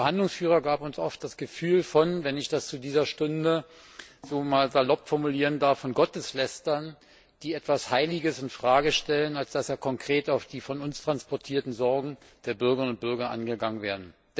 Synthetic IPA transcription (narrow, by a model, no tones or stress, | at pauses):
ɐhandlʊŋsfyːʁɐɡaːpʊnsʔɔft̚d̥asɡ̥əfyːlfɔnvɛnɪçd̥ast͡sudiːzɐʃtʊndə | zoːmaːlzalɔpfɔɐmuliːʁəndaɐfːɔnɡɔtəslɛstɐn | d̥iːɛtv̥ashaɪlɪɡəsɪntfʁ̥aːɡəʃtɛlənalsd̥asjaːkʰɔŋkʁ̥eːtaʊfd̥iːfɔnʊnstʁ̥anspʰɔɐtʰiːɐtn̩zɔɐɡŋ̩ | d̥eːɐbʏɐɡəɐʁɪnʊnt̚b̥ʏɐɡɐʔa̰nɡəɡaŋənveːɐdn̩